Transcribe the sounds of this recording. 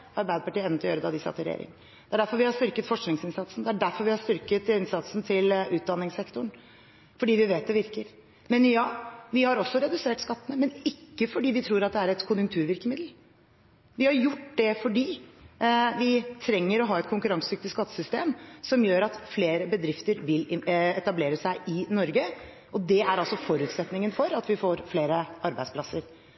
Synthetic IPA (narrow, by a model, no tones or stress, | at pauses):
ɑɾbæɪd̪əpɑʈiːəɛnət̪ɪlɔjøːɾəd̪ɑd̪ɪsɑ̰t̪ʰːɪlɾɛ̰jḛːɾɪ̰ŋ | d̪̥ɛæɖæɾfɔɾʋɪhɑʂt̪ʏɾkət̪fɔʂknɪŋsɪnsɑt̪sn̩d̪ɛæɖæɾfɔɾʋɪhɑɾʂt̪ʏɾkət̪ɪnsɑt̪sn̩t̪ʰɪlʉːt̪̚d̪ɑnːɪŋsɛkt̪ʊɳ | fɔɖiːʋɪʋeːt̪̚d̪ɛʋɪɾkəɾ | mɛnjɑːʋɪhɑɾɔsːɔɾɛd̪ʉseːʈskɑt̪ːənəmɛnɪkːəfɔɖiːʋɪt̪ʰɾuːɾɑt̪̚d̪ɛæɾɛt̪kʰʊnjʉŋkt̪ʰʉːɾʋɪɾkəmɪd̪l̩ | ʋɪhɑɾjʊʈːd̪ɛfɔɖiː | ʋɪt̪ʰɾɛŋːəɾɔɦɑːɛt̪̚kʰʊŋkʉɾɑŋsʏk̚t̪ɪskɑt̪ːə̥sʏst̪eːmsɔmjøːɾɑt̪fleːɾəbəd̪ɾɪft̪əɾʋɪlɪɛt̪ɑbleːɾəsæɪʔɪnɔɾɡə | ʔɔd̪ɛæɾɑlsɔfɔɾʉːt̪sɛt̪nɪŋənfɔɾɑt̪ʋɪfoːɾfleːɾəʔɑɾbæɪd̪splɑsːəɾ